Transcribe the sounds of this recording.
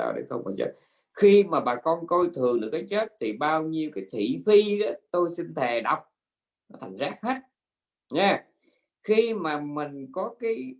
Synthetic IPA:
a̰ː˧˩ɗə̰˧˨˩jxə˧wŋ͡ma̰˨˩t͡ɕə̰˦˥t̚ | xi˧maː˨˩ɓaː˨˩kɔ˧nko˧jt̪ʰɨ˨˩əŋɗɨ̰˨əkːaː˨˦jt͡ɕə˦˥t̚t̪ʰi˨˩ɓaː˧wɲi˧əwkaː˨˦jt̪ʰḭ˧˩fi˧ɗɔ˨˦t̪o˧jsi˧nt̪ʰɛ˨˩ɗa˨˩wk͡p̚ | nɔ˨˦t̪ʰa˨˩jŋ̟zaː˦˥k̚hə˦˥t̚ | ɲɛ˨˧ | xi˧maː˨˩mï˨˩ŋ̟kɔ˨˦kaː˨˦j

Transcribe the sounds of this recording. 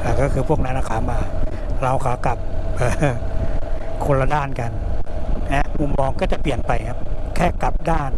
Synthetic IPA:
ʔaː˨˩kɔː˥˩kʰɯː˧pʰu˥˩ək̚na˦˥nɾa˧kʰaː˨˧˦maː˧ | ɾa˧wkʰaː˨˦ka˨˩p̚ʔɤː˨˧ | kʰo˧la˧daː˥˩nka˧nhɛ˦˥mu˧˦mːɔː˧ŋkɔː˥˩t͡ɕa˨˩pli˨˩ənpa˧jkʰa˦˥kʰɛː˥˩kla˨˩p̚daː˥˩n

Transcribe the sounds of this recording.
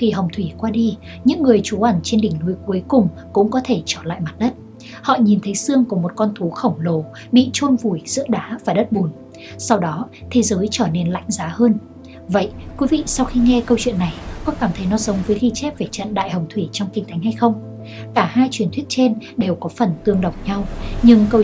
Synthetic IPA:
xi˨˩ɦə˨˩wŋ͡mt̪ʰwi˧˩kwaː˧ɗi˧ | ɲɨ̰˧˥ŋːɨ˨˩əjt͡ɕu˨˦ʔə˧˩nt͡ɕe˧nɗï˧˩ŋ̟nu˨˦jku˨˦jkʊ˨˩ŋ͡m | kʊ̰˧˥ŋ͡mkɔ˨˦t̪ʰe˧˩t͡ɕəː˧˩la̰ː˧˨jma˨˩t̚ɗə˦˥t̚ | hɔ̰˧˨ɲi˨˩nt̪ʰə˨˦jsɨ˧əŋku˧˩əmo˨˩t̚kɔ˧nt̪ʰu˨˦xə˧˩wŋ͡mlo˨˩˦ | ɓḭ˧˨t͡ɕo˧nvu˧˩jz̥ɨ̰˧˥əɗaː˨˦vaː˨˩ɗə˦˥t̚ɓu˨˩n | sa˧wɗɔ˨˦ | t̪ʰe˨˦zəː˨˦jt͡ɕəː˧˩ne˧nla̰˧˥jŋ̟zaː˨˦həː˧n | və̰˧˨jkwi˨˦vḭ˧˨sa˧wxi˧ŋɛ˧kə˧wt͡ɕwḭ˧˨nːa˨˩jxɔ̰˧˨kaː˧˩mt̪ʰə˨˦jnɔ˨˦zə˨˦wŋ͡mvəː˨˦jxi˧t͡ɕɛ˦˥p̚ve˧˨˩t͡ɕə̰˧˨nɗa̰ː˧˨jhə˨˩wŋ͡mt̪ʰwi˧˩t͡ɕɔ˧wŋ͡mkï˧˩ŋ̟t̪ʰjŋ̟ha˧jxə˧wŋ͡m | kaː˧˩haː˧jt͡ɕwi˨˩ənt̪ʰi˦˥ət̚t͡ɕe˧nɗe˨˩wkɔ˨˦fə˨˩nt̪ɨ˧˩əŋɗə˨˩wŋ͡m̚ɲa˧wɲɨ˧ŋkə˧

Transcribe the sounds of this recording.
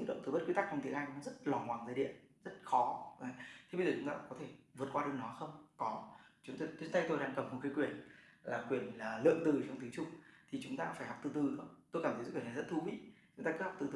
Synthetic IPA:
ɨ̰˧˥ŋɗo̰˧˨ŋ͡mt̪ɨ˨˩ɓə˦˥tkwi˨˦t̪a˦˥k̚t͡ɕɔ˧ŋ͡mt̪ʰi˨˦ʔaː˧jkzə˦˥t̚lɔ˨˩hwaː˨˩ŋzəː˧˩ɗḭ˧˨ənzə˦˥t̚xɔ˨˦ʔaː˨˩t̪ʰe˧ɓə˧zəː˨˩t͡ɕʊ˨˦ŋ͡mt̪aː˧kɔ˨˦t̪ʰe˧˩vɨ˨˩ət̚kwaː˧ɗɨ˨˩ənɔ˨˦xə˧wŋ͡mkɔ˨˦t͡ɕʊ˨˦ŋ͡mt̪o˧j̪na˧jt̪o˧jɗaː˧ŋkə˨˩mmo˨˩t̚ki˨˦kwi˧˩ənlaː˨˩kwi˧˩ənlaː˨˩lɨ̰˧˨əŋt̪ɨ˨˩t͡ɕɔ˧wŋ͡mt̪ɨ˨˦t͡ɕʊ˧ŋ͡mt̪ʰi˨˩t͡ɕʊ˨˦ŋ͡mt̪aː˧faː˧˩jha˨˩wk͡p̚t̪ɨ˧˩t̪ɨ˨˩xə˧ŋ͡mt̪o˧jkaː˧˩t̪ʰzṵ˧˦kwi˩˨laː˨˩zə˦˥t̚t̪ʰu˨˧˦ɓḭ˧˥t͡ɕʊ˨˦ŋ͡mt̪aː˧ɨ˨˦˥ha˨˩wk͡p̚t̪ɨ˧t̪ɨ

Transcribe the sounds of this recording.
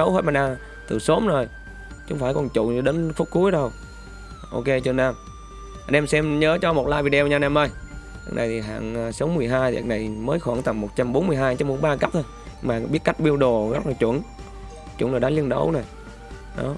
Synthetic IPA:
ə˨˦whe˦˥t̚maː˨˩naː˧ | t̪ɨ˨˩so˨˦mzo˨˩j | t͡ɕʊ˨˧˦ŋ͡mfaː˧˩jkɔ˨˩nt͡ɕʊ̰˧˨ŋ˧ɗe˨˦nfʊ˦˥k͡p̚ku˨˦əjɗə˧w | ʔo̰˧ke˧t͡ɕɨ˧˨naː˧˩m | ə˧nʔɛ˧msɛ˧mɲəː˨˦t͡ɕɔ˧mo˨˩t̚laː˧jvi˧ɗe˧wɲaː˧nɛ˧mʔə˧j | a̰˨˩k̚nʔa˨˩jt̪i˨˩ɦa̰ː˧˨ŋː˨˩sə˨˦wmɨ˨˩əjɦaː˧jt̪i˨˩na˨˩jməː˨˦jxwa̰ː˧˩ŋt̪a˨˩ŋmo˨˩t̚t͡ɕa˧mɓo˨˦nmɨ˧əɦaː˧jt͡ɕa˧mɓo˧˦ŋ͡mɓaː˧ka˦˥t̚t̪ʰo˧j | maː˨˩ɓi˦˥ət̚ka˦˥jk̟̚ɓi˧əwɗo˨˩ɣə˦˥t̚laː˨˩t͡ɕwə̰˧˩ən | t͡ɕw̰nzɗaː˨˦li˧ənɗə̰˨˧˦wno˨˩j | ɗɔ˨˦

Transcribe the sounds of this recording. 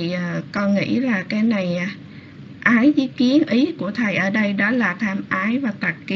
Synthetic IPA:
i˨˩ʔːkɔ˧ŋḭ˧˥laː˨˩kaː˨˦jna˨˩j | ʔaː˨˦jzḭ˧˦ki˨˦ənʔi˨˦ku˧˩ət̪ʰə˨˩jʔəː˧˩ɗə˧jɗɔ˨˦laː˨˩t̪ʰaː˧mʔaː˨˦jvaː˨˩t̪a˨˩t̚ki˧

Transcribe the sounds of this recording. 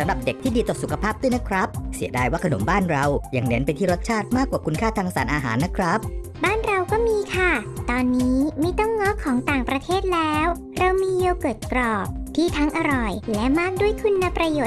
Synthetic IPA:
sa˨˩˦mɾa˨˩p̚de˨˩k̪̚ʰiː˥˩diː˧t̪ɔː˨˩su˨˩kʰa˧pʰaː˥˩p̚d̪u˥˩jna˦˥kʰɾa˦˥p̚si˨˩˦ədaː˧˩jwaː˥˩kʰa˧no˩˦mbaː˥˩nɾa˧wja˧ŋne˩˦npa˧jt̪ʰiː˥ɾo˦˥t̪̚t͡ɕʰaː˥˩t̪̚maː˥˩kwaː˨˩kʰu˧nkʰaː˥˩t̪ʰaː˧ŋsaː˩˦nʔaː˧ɦaː˩˦nːa˦˥kʰɾa˦˥p̚baː˥˩nɾa˧wkɔː˥˩miː˧kʰa˥˩t̪ɔː˧nːiː˦˥ma˥˩jt̪ɔ˥˩ŋːɔ˦˥kʰɔː˩˦ŋt̪aː˨˩ŋpɾa˧t̪ʰeː˥˩t̪̚lɛː˦˥w | ɾa˧wmiː˧je˧wkɤː˨˩t̪̚kɾɔː˨˩p̚t̪ʰiː˥˩t̪ʰa˦˥ŋʔa˧ɾɔ˨˩jlɛ˦˥ʔmaː˥˩k̚du˥˩əjkʰu˧nːa˧pɾa˧joː˨˩

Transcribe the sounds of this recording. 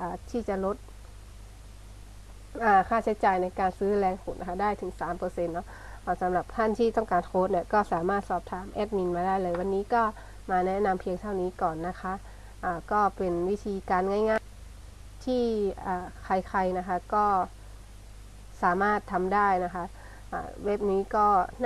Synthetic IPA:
ʔaː˨˩t̪ʰiː˥˩t͡ɕa˨lo˦˥t̪̚ | ʔaː˨˩kʰaː˥˩t͡ɕʰa˨˦˥jt͡ɕaː˨˩jna˧jkaː˧nsɯː˦˥lɛː˧ŋkʰu˨˩nʔa˦˧kʰa˧˥daː˥˩jt̪ʰɯ˩˦ŋsaː˨˦mpɤː˧se˧nːɔ˦˥ | a˧˩sa˨˦mla˨˩p̚t̪ʰa˥˩nt̪ʰiː˥˩t̪ɔ˥˩ŋkaː˨nkʰoː˦˥t̪̚ni˧˩ɐkɔː˥˩saː˩˦maː˥˩t̪̚sɔː˧˩p̚t̪ʰaː˨˧˦mʔɛː˧˥˩t̪̚mi˧nmaː˧daː˥˩jlɤː˧jwa˧nːiː˦˥kɔː˥˩ | maː˧nɛ˦˥na˧mpʰi˧əŋt̪ʰa˥˩wniː˦˥kɔː˨˩nːa˦˧˥kʰa˦˥ʔ | ʔaː˨˩kɔː˥˩pe˧nwi˦˥˩t̪ʰiː˧kaː˧nŋa˧˥˩jŋaː˥˨ | t̪ʰiː˥˩aː˨˩kʰa˧jkʰa˧jna˦˥kʰa˦˥kɔː˥˩ | saː˩˦maː˥˩t̪ʰːa˧mdaː˥˩jna˦˥kʰa˦˧˥ʔ | ʔa̰ː˨˩we˦˥p̚niː˦˥kɔː˥˩n

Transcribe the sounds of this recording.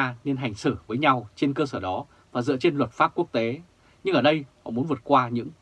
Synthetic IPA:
a˧ne˧nɦa˨˩jŋ̟sɨ˧˩vəː˨˦jɲa˧wt͡ɕe˧nkəː˧səː˧˩ɗɔ˨˦ | vaː˨˩zɨ̰˧˨ət͡ɕe˧nlwə˨˩t̚faː˦˥p̚ku˦˥ək̚t̪e˨˦ | ɲɨ˧ŋʔəː˧˩ɗə˧jhɔ̰˧˨mu˨˦ənvɨ˨˩ət̚kwaː˧ɲɨ̰˧˥ŋ

